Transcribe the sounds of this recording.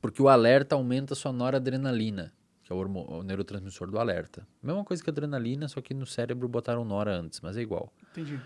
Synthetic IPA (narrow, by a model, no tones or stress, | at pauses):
poɾkɪʊalɛɾt̪ɐawmẽnt̪ɐsonɔɾɐd̪ɾenalĩnɐ | kɪɛoɾmõ̰newɾʊt̪ɾɐ̃zmisoɾd̪ʊalɛ̰ɾt̪ɐmezmɐkojzɐkɪad̪ɾẽnalĩnɐsɔkɪnʊsɛɾebɾʊbot̪aɾɐ̃w̃nɔɾɐɐ̃nt̪ɪ̥smɐzɛiɡwa̰w̃t̪ẽd͡ʒi